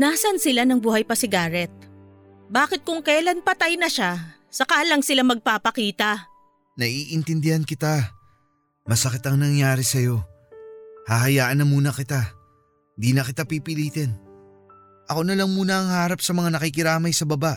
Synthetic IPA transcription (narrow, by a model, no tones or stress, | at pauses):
naːsɐnsɪlanɐŋbuːhɐjpɐsɪɡaːɾɛt̪̚ | baːkɪt̪̚kʊŋkɛlanpɐt̪ajnɐʃa | sɐkaːlɐŋsɪlamɐɡ̚paːpɐkiːt̪ɐ | nɐʔiːʔɪnt̪ɪnd̪ɪhankɪt̪a | mɐsɐkɪt̪ɐŋnɐŋjaːɾɛsɐjo̞ | haɦɐjaːʔɐnːɐmuːnɐkɪt̪a | nd̪iːnɐkɪt̪apipɪliːt̪ɛn | ʔɐko̞nɐlɐŋmuːnɐɐŋhaːɾɐpsɐmɐŋanɐkɪkɪɾaːmɐjsɐbɐbaʔ